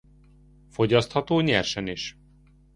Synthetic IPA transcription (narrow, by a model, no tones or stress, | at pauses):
fo̞ɟɒst̪hɒt̪oːɲɛrʃɛniʃ